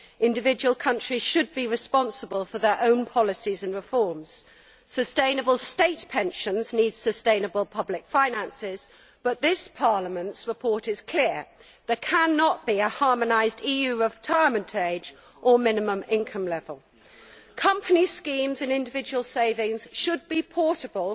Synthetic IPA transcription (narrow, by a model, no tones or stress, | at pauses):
ɪ̃ndɨvɪd͡ʒəwəlˠkʰʌ̃nt͡ʃɹ̥iz̥ʃɨd̚biɹɨspɑ̃nsəbəlˠfəðə˞ʔõʊ̃npʰɑlˠəsizə̃nɹɪfɔɹmz̥ | səstẽɪ̃nəbəlˠsteɪtpʰɛ̃nʃə̃nznidz̥səstẽɪ̃nəbəlˠpʰʌblɪkfãɪ̃næ̃nsɪz̥ | b̥ʌt̪̚ðɪspʰɑɹləmə̃ntsɹəpʰɔɹɾɪz̥kʰl̥ɪɹ | ðə˞kʰæ̃nːəʔt̚b̥iəhɑɹmənaɪzdijʉɹɪtʰaɪəmə̃ntʰeɪd͡ʒ | ʔəmɪ̃nɨmə̃mɪ̃nkʰʌ̃mlɛvəlˠ | kʰʌ̃mpʰəniskĩmzɨ̃nɪ̃ndɨvɪd͡ʒəwəlˠseɪvɪ̃ŋz̥ʃəd̚bipʰɔɹɾəbəlˠ